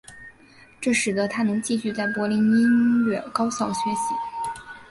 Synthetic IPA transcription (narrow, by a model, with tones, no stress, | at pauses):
ʈ͡ʂɤ˥˩ʂɻ̩˨˩d̪ə˦t̪ʰa˥nɤ˧˥ŋt͡ɕi˥˧ɕy˥˧t͡sa˥˩ɪpwɔ˧˥li˧˥ni˥nɥɛ̰˨˩nkɑ˥ʊɕjɑ˥˩ʊɕɥɛ˧˥ɕi˧˥